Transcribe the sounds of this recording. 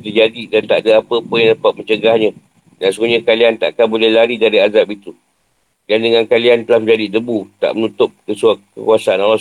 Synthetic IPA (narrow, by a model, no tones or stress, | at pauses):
t̪əd͡ʒadidant̪a̰ʔdaapəpʊnjaŋdapat̪̚mə̃ɲt͡ʃəɡahɲə̃ | dansuɡuɲãkaliant̪a̰ʔakanbolɛhlaɾidaɾiazapit̪u | dandəŋãnkaliant̪əlahmd͡ʒadidəbut̪a̰ʔmənut̪ʊp̚kəsuakə̰kuasaanala